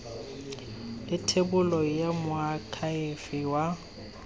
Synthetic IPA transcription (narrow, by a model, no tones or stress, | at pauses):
lɪtʰebʊlɔjamʊakʰaɪfɪwa